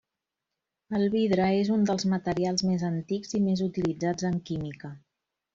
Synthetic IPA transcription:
əlˠβiðɾəezund̪əlˠzmət̪əɾialˠzmezənt̪iɡzimezut̪ilid͡zad͡zəŋkimikə

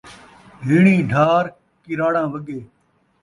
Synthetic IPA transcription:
ɦiːɳĩːɖʱaːɾ | kɪɾaːɽãːʋəɡeː

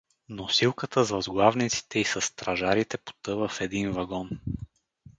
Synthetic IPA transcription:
nosilˠkət̪əzvɐzɡlˠavnit̪si̥t̪ɛisɐsːt̪ɾɐʒaɾit̪ɛpo̥t̪ɤvəfɛd̪invɐɡɔn

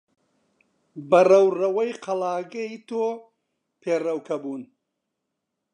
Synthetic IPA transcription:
bɐrɐwrɐwɐjqʰɐlaːɡɐit̪oː | pʰeːrɐwkʰɐbuːn

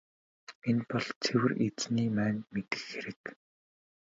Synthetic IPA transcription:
enpɔɮt͡sʰewɘ̆ret͡sniːmæːnmet̪ɘ̥̆xːeɾɘ̆k

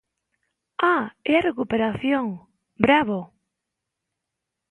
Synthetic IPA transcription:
aɛarekupeɾaθjoŋ | bɾaβo

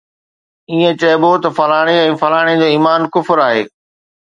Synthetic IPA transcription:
iːẽt͡ɕɐːbot̪ɐfɐlaːɽ̃eɛ̃ːfɐlaːɽ̃ed͡ʑoːiːmaːnkʊfɾaːɦḛː

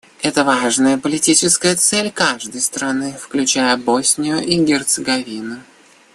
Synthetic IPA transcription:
ɛt̪əvaʐnəjəpəlʲɪtʲit͡ɕɪskəjət̪sɛlʲkaʐd̪əjst̪ɾɐnɨfklʲʉt͡ɕæjəbosʲnʲɪjʊʔiɡʲɪrt̪sɨɡɐvʲinʊ

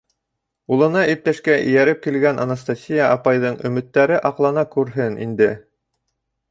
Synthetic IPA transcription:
ulˠɤ̆nɑʔip̚t̪æʃkæʔɘ̰̆jæɾɘp̚kilɡænʔɑ̰nast̪asʲijɑʔɑpɑjðɤɴɵ̆mɘ̆t̪ːæɾɘʔɑqlˠɑnɑkʉɾɦɘnʔḭnd̪ɘ

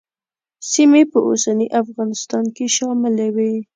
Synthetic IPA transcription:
simepəʔo̰saniʔafɣɑnɪst̪ɑnkeʃɑmɪlawe

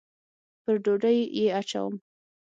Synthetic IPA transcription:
pəɾɖoɖəjjeat͡ʃa̰wəm

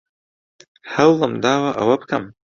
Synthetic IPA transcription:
hawamd̪ɑːwaʔa̰wap̚kam

